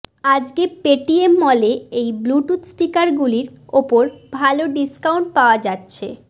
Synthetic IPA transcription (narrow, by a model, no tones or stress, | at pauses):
ad͡ʑkepeʈiemːɔleejbluʈut̪sʈikaɾɡuliɾopoɾbʱaloɖiskawɳʈ̚paoad͡ʑatːɕʰḛ